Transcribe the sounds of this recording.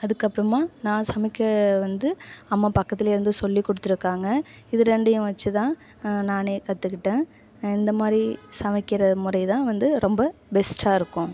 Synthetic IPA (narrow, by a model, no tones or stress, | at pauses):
ɐðɯkːɐpːɾɐmaːnãːsɐmɪkːɐʋɐnd̪ɯɐmːaːpɐkːɐt̪ːɪleːɾɯnd̪ɯsɔlːikːɔɽɯt̪ːɪɾɯkːaːŋɡɐ | ɪðɯɾɛɳɖɯjʊ̃ʋɐt͡ʃːɯt̪ãː | naːneːkɐt̪ːɯkːɪʈːẽː | ɪnd̪ɐmaːd̪ɾisɐmɪkːɪɾɐmʊrɐɪt̪ãːʋɐnd̪ɯɾɔmbɐbɛsʈaːɪɾɯkːʊ̃